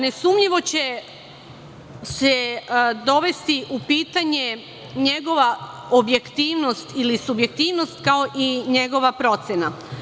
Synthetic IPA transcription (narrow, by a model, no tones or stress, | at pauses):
ne̞sumɲiʋo̞t͡ɕe̞ | sed̪o̞ʋe̞st̪iʔupiːt̪aɲe̞ | ɲe̞ɡo̞ʋa | obje̞kt̪iːʋnost̪ilisubjek̚t̪iːʋno̞st̪kao̞ʔiɲe̞ɡo̞ʋapɾo̞t̪sena